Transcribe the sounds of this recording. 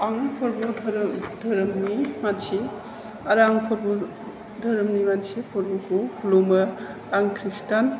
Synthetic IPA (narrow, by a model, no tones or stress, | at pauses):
aŋpʰɔɾbɔdʱɾdʱɐɾɐmnimansʰi | ɐɾaŋpʰɔɾbɔ | dʱɐɾmnimansʰipʰɔɾbɔkʰukʰulomɐ | aŋkʰɾistan